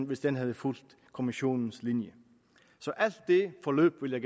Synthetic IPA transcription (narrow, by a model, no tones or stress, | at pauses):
nʋɪsd̪̥ɛnɦɑðəfult̪ | kʰʊmɪɕuːnn̩slɪnjə | sɔʔælt̪̚d̪efɔløːpʋɪljæɪɡ